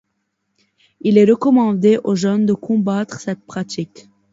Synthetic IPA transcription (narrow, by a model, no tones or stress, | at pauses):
ilɛʁəkɔmɑ̃d̪eʔoʒœnd̪əkʰɔ̃bat̪χsɛt̪̚pχat̪ik